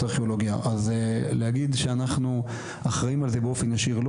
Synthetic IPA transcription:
aʁχeoloɡjaʔazleɦaɡid̪ʃeanaχnu | aχʁaimalzebeo̞fenjaʃiʁl

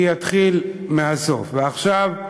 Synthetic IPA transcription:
jat̪χilmeaso̞̰fveaχʃav

